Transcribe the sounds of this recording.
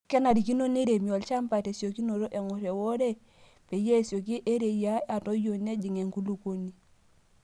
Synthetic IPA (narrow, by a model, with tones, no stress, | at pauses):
kɛ˦na˨ɾi˨ki˦no˦ne˦ɾe˨mi˨ɔ˨lt͡ʃa˦mpa˨te˨sjo˨ki˦no˨ɾo˦ʔɛ˨ŋɔ˨ɾe˨wo˦ɾe˦ | pe˨je˦˨sjo˨k̬i˦ʔe˦ɾe˨ja˦a˨to˦jo˨ne˦d͡ʒi˨ŋe˨ŋku˦lu˨ko˦ni˦